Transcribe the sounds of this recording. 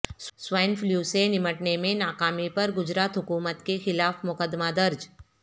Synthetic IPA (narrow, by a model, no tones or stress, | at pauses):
sswaːnfljuːsenɪməʈnemẽnaːkaːmipɐɾɡʊd͡ʒɾaːt̪ɦʊkuːmət̪kexɪlaːfmʊkəd̪ːmad̪ɐɾd͡ʒ